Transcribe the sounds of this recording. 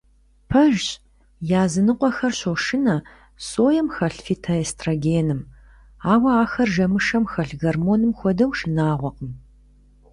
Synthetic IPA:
pʰɐʒ | jaːzɨnɨqʷɔxɐrɕoʃɪnɐ | soːjɐmxɐɬfitʰɐeːstʰraɡeːnɨm | aːwɐaːxɐrʒɐmɨʂɐmxɐɬɣɐrmoːnɨmxʷɔdɐwʃɪnaːʁʷɔqəm

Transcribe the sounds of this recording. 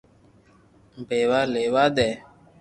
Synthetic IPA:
mbewalewadɛ

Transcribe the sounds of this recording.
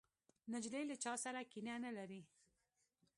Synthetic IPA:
nad͡ʒlelat͡ʃɑsaɾakinanalaɾi

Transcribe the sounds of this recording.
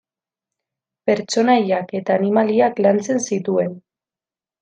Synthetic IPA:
pe̞ɾt͡ʃo̞najake̞t̪aːnimaliaklant͡se̞nsit̪ue̞n

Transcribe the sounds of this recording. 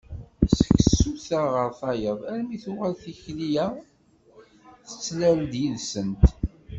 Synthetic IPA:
sə̥ksuθaʁəɾθɑjəðˤæɾmiθʊʁælθiçlijæ | θə̥t͡sːlæld̪jiðsənt̪

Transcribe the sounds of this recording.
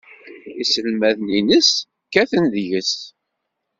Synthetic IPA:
isəlmæðninəs | kːæθənðjəs

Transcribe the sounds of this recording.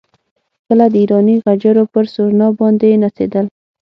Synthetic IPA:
kəlad̪əiɾɑniɣad͡ʒaɾopəɾsoɾnɑbɑnd̪enasḛd̪əl

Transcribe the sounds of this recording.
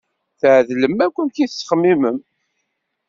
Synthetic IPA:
θʕðləmækʷːənθiθsːχmːiməm

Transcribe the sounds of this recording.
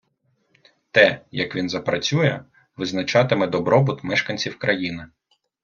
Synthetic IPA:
t̪ɛjɐkʋʲinzɐpɾɐt͡sʲujɛ | ʋɪznɐt͡ʃɑt̪ɪmɛd̪ɔbɾɔbʊt̪mɛʃkɐnʲt͡sʲiwkɾɐjinɪ

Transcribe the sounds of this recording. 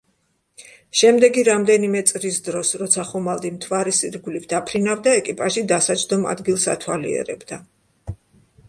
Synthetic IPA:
ʃɛmd̪ɛɡiɾamd̪ɛnimɛt̪sʼɾisd̪ɾɔsɾɔt̪sʰaχumalˠd̪imt̪ʰvaɾɛsiɾɡulivd̪̥apʰɾinavd̪aɛkʼipʼaʒid̪asat͡ʃʰʼd̪ɔma̰d̪ɡilˠsa̰t̪ʰwalḭɛ̰ɾɛ̰bd̪a

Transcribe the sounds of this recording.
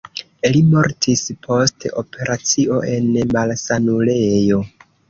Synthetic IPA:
limo̞ɾtʰispʰo̞steʔo̞pe̞ɾʔat͡sio̞ʔe̞nmalsanule̞jo̞

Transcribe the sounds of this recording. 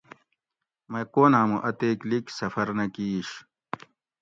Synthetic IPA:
mɐkoːnaːmuʔɐt̪eːkliksɐfɐɾnɐkiːɕ

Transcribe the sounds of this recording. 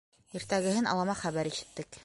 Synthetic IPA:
iɾt̪æɡɘ̆hɘnɑ̰lˠɑmɑχæβæɾiʃɘ̥̆t̪ːɘk

